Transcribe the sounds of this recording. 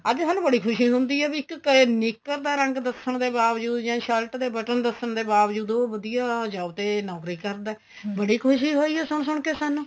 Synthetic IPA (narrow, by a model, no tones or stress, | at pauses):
əd͡ʒ̪eːsaːnũːbəɽiːkʰʊʃiːɦʊ̃nd̪iːɛːbiɪknɪkːəɾd̪aːɾəŋɡd̪əsəɳd̪eːbaːʋd͡ʒuːd̪d͡ʒãːʃəlʈd̪eːbəʈənd̪əsəɳd̪eːbaːʋd͡ʒuːd̪oːʋəd̪ijaːd͡ʒaːut̪eːnɔːkɾiːkəɾd̪aː | bəɽiːkʰʊʃiːɦoːiːɦɛːsʊɳsʊɳkeːsaːnũː